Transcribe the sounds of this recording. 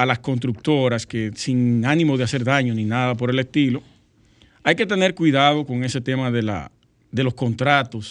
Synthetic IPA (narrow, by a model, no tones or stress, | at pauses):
alasko̞nst̪ɾuk̚t̪o̞ɾaske̞siŋanĩmo̞ð̞ease̞ɾðaɲo̞nĩnaðapo̞ɾe̞le̞st̪ilo̞ | ajke̞t̪e̞ne̞ɾkwiðað̞o̞ko̞ŋe̞se̞t̪e̞maðe̞la̰ | ðe̞lo̞sko̞nt̪ɾat̪o̞s